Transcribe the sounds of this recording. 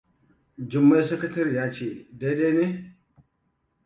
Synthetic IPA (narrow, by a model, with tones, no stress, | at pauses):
d͡ʒɪ˨mːa˦jsɐ˦kɐ˦tɐ˦ɾi˨jaː˦t͡ʃeː˦˨da˦ɗa˦neː˦